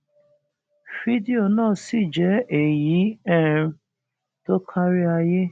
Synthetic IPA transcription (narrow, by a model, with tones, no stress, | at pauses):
fi˦di˨o˨nãː˦˨si˦˨d͡ʒɛ˨˦e˨ji˨˦ɛ˦˨ɾ | to˦kʰa˦ɾi˦a˧je˦